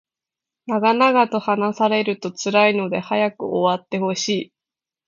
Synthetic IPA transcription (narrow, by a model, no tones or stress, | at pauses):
naɡanaɡat̪o̞hanasaɾe̞ɾɯ̟t̪o̞t͡sɨɾaino̞d̪e̞hajakɯ̟̰ʔoβat̪ːe̞ho̞ɕiː